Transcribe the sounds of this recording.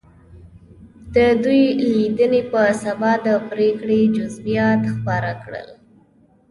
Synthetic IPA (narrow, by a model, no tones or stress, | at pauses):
d̪̥əd̪ujlid̪ənepəsabɑd̪əpɾekɽed͡ʒʊzbijɑt̪xpɑɾakɽə̰l